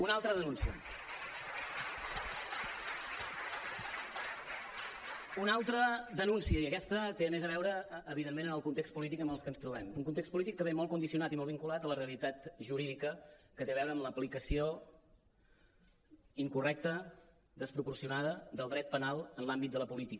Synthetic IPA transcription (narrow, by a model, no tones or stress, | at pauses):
unalˠt̪ɾəðənunsiə̰ | unalˠt̪ɾəd̪ənunsiəiəkɛst̪ət̪eəmezəβɛwɾəːβiðemenənəlˠkunt̪ekst̪pulit̪̬ikəməlˠskənst̪ɾuβɛmuŋkunt̪ekstpulit̪ikːəβemɔlˠkund̪isiunat̪imɔlˠβiŋkulat̪ələreəlit̪at̪ʒuɾiðikəkət̪eəβɛwɾəːmləplikəsio | iŋkurɛk̚t̪ə | d̪əspɾupuɾsiunaðəd̪əlˠd̪ɾɛt̪̚pənalˠənlambit̪̚d̪ələpulit̪ikə